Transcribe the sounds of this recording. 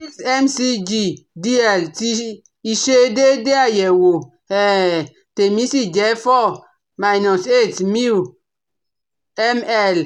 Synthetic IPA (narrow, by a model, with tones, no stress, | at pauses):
i˦sɛ˦msi˦d͡ʒi˦di˦ɛ˨lti˦ | i˨ʃe˦de˦de˦a˨jɛ˨wo˨ | ɛ˨ | te˨mi˦si˦d͡ʒɛ˨˦fɔ˦ | ma˨i˨nɔ˨se˦˨tmi˦u˨ | ɛ˦mɛ˦˨l